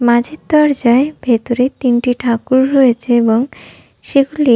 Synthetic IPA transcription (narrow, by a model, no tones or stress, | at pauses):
mãd͡ʑʱit̪ːɔɾd͡ʑaebʱet̪oɾet̪inʈiʈʰakuɾɦojet͡ɕʰeeboŋ | ʃeɡuli